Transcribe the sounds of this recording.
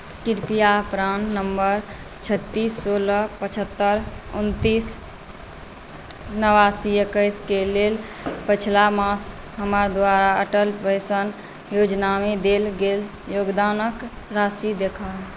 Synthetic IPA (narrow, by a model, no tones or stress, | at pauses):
kiɾpijapɾannəmbəɾ | t͡ʃʰət̪ːiːsːoləpət͡ʃʰət̪ːəɾṵnt̪iːs | nəʋasiekəɪskelel | pət͡ʃʰlamas | ɦəməɾd̪ʋaɾaəʈəlpəɪsən | jod͡ʒnamed̪elɡel | joːɡd̪aːnək | ɾasid̪ekʰa